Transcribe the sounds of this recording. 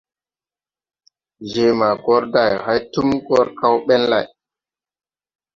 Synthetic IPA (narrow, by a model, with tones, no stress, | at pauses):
d͡ʒe˨ma˨ɡɔ˦ɾda˨jha˦jtu˦mɡɔ˦ɾka˦wɓɛ˦nla˨j